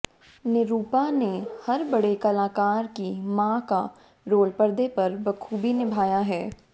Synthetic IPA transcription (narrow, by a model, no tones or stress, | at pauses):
nɪɾuːpanehɐɾbɐɽekɐlaːkaːɾkimãːka | ɾoːlpɐɾd̪epɐɾbɐkʰuːbinɪbʱaːjaɦɛː